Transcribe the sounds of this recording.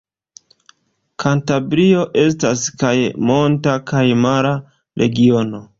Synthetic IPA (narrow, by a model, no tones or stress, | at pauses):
kʰantabɾio̞ʔe̞staskajmo̞ntakajmaɾa | ɾʔe̞̰ɡio̞no̞